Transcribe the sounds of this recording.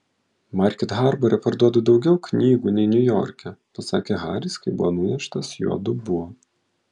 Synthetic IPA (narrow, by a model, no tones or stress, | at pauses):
mɑɾʲkʲɪt̪ɣɑɾbɔɾʲɛpɐɾd̪uɔd̪ɐd̪ɒʊɡʲɛʊkʲnʲiːɡuːnʲɛɪnʲʊjɔ̰ːɾʲkʲɛpɐsɑ̰ːkʲeɣɑːɾʲiskɐɪbʊʋɔnʊj̪ʲɛʃt̪ɐsjṵɔd̪ʊbʊʋo